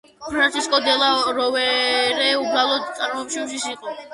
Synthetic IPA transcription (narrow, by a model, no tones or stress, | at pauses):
pʰɾant̪sʰiskʼɔd̪ɛlˠaɾɔvɛɾɛubɾalˠɔd̪t̪sʼaɾmɔɛpʃimʃisiqʼɔ